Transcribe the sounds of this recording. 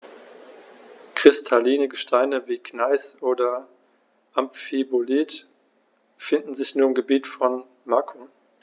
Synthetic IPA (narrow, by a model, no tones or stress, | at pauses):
kʁ̥ɪstʰaliːnəɡəʃtʰaɪnəviːkʰnaɪsʔoːdɐ | ʔamfibolit | fɪndn̩zɪçnuːɐɪmɡəbiːtfɔn | makʰʊ